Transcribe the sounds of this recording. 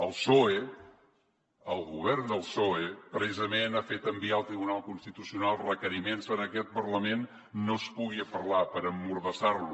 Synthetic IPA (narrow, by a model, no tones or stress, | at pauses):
əlˠsoe | əlˠɣuβ̞ɛrnd̪əlˠsoepɾsizəmenafet̪əmbialˠt̪ɾiβunalˠkunst̪it̪usiunalˠrəkəɾimensənəkɛt̪̚pərləmenː | ospuɣiəpəɾlapəɾəmːuɾðəsarlu